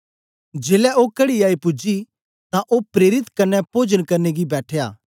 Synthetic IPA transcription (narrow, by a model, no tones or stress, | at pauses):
d͡ʒeːlɛʔokɐɽiaːipʊd͡ʒi | t̪ãʔopɾeːɾɪt̪kɐnɛpoːd͡ʒənkɐɾneɡibɛːʈʰeja̰ː